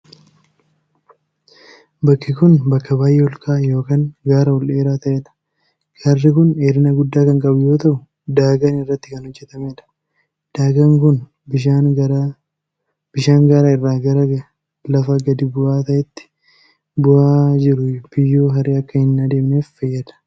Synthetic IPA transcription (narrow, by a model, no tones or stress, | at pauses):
bɐkːɪkʊnbɐkːɐbaːjʔeɔlkʼaːjo̞ːkaːŋɡaːɾɐɔlʔe̞ːɾaːt̪ɐʔeːᶑɐ̥ | ɡɐrːɪkʊneːɾɪnɐɡʊd̪ːaːkɐŋkʼɐbʊjo̞ːt̪ɐʔʊ | d̪aːɡɐnɪrːɐt̪ːɪ̥kɐnhɔd͡ʒːɛt̪ɐmeːᶑɐ̥ | d̪̥aːɡɐŋkʊn | bɪʃaːɾ | b̥ɪʃaːŋɡaːɾaːɪrːaːɡɐɾɐɡɐ | lɐfɐɡɐd̪ɪbʊʔaːt̪ɐʔɛt̪ːɪ̥ | bʊaːd͡ʒɪɾʊb̥ɪjːoːɦɐɾeːɐkːɐhɪnːaːd̪e̞ːmneːfːɐjːɐd̪ɐ̥